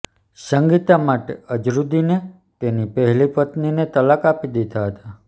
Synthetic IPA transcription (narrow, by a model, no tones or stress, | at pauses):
ʃəŋɡit̪amaʈeəd͡ʒɾud̪ine | t̪enipəɦɛlipət̪ninet̪əlakapid̪it̪aɦət̪a